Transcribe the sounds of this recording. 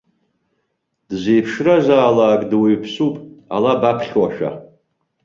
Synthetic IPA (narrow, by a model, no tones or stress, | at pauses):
d̥zejpʰʂrazaːlaːkʼdweɥpʰsupʼa̰labapʰχʲwaʃa̰